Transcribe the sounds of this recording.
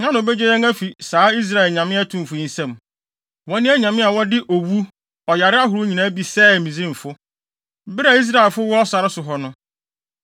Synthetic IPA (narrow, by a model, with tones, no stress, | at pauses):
nã˦ñ˨o˨be˦d͡ʑe˦ɾɛ˦ŋæ˦fi˨saː˨˦i˦s̬ɾa˦˨ɛ˨lɲã˨mɪ̃˦a˦tʰũ˨m̩˨fʊ˨n̩˦sɛ̃˦˨m | wɔ˦nɪ̃˦æ˦ɲã˨mɪ̃˦a˨wɔ˦dɪ˦ʔo˨wu˦ | ɔ˨ja˨ɾɪ˦a˦ɦʊ˨ɾʊ˦ɲĩ˨nã˦bi˨sɛ˦˨mĩ˨zɪ̃˦˨ɱ̩˨fʊ˦ | bɪ˦ɾa˨i˦s̬ɾa˦˨ɛ˨lfʊ˦wɔ˦ɔ˦sa˨ɾɪ˦sʊ˨ɦɔ˨nʊ̃˦